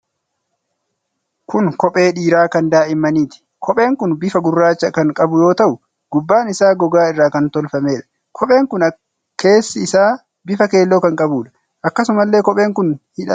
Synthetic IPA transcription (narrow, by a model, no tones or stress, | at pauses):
kʊŋkɔpʼe̞ːᶑiːɾaːkɐnd̪aːʔɪmːɐniːt̪ɪ̥ | kʰɔpʼe̞ːŋkʊnbɪfɐɡʊrːaːt͡ʃːɐkɐŋkʼɐbʊjo̞ːt̪ɐʔʊ | ɡʊbːaːnɪsaːɡɔɡaːɪrːaːkɐnt̪ɔlfɐmeːᶑɐ̥ | kʰɔpʼe̞ːŋkʊnɐ | kʰe̞ːsːɪɪsaː | bɪfɐke̞ːlːoːkɐŋkʼɐbuːᶑɐ̥ | ʔɐkːɐsʊmɐlːe̞ːkɔpʼe̞ːŋkʊnhɪᶑɐ